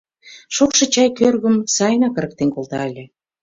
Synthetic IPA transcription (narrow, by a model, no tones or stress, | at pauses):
ʃokʃɤ̆t͡ɕɑjkørɣə̆msɑjnɑkə̆ɾə̆k̚t̪enkolt̪ɑelʲĕ